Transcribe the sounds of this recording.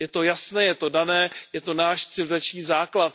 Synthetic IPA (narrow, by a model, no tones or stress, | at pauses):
jɛt̪o̞jasnɛːjɛt̪o̞danɛːjɛt̪o̞naːʃt̪sɪlzat͡ʃɲiːzaːklat̪̚